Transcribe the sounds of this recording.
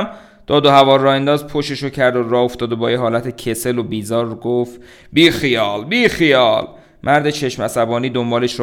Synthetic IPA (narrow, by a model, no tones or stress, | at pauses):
m | d̪̥ɒːd̪ohævɒːrɒːhend̪ɒːzpʰoʃeʃocʰæɾd̪orɒːoft̪ɒːd̪obɒːjeɦɒːlæt̪ʰecʰese̞lo̞biːzɒːɾːɡoft̪ | biːxijɒːlbiːxijɒːl | mʔæɾd̪e̞t͡ʃʰe̞ʃmæsæbɒːniːd̪ombɒːle̞ʃɾ